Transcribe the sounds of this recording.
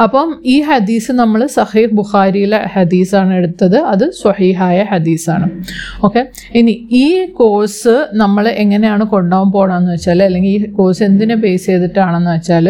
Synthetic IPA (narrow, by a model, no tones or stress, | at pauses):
ɐpːɐmiːħɐd̪iːsɨnɐmːɐɭsɐhiːhbuxaːɾijileħɐd̪iːsaːɳe̞ɽut̪ːɐðɨɐðɨswɐħiːɦaːjɐħɐd̪iːsa̰ːɳɨ | o̞ːkːe̞ | iniiːko̞ːsɨnɐmːɐɭe̞ŋːɐnejaːɳɨko̞ɳɖaːumpo̞ːɳaːmenːuʋɐt͡ɕːaːlɐlːe̞ŋɡiliːko̞ːse̞nd̪inɨp̬e̞ːse̞ːðiʈːaːɳenːɨʋɐt͡ɕːaːl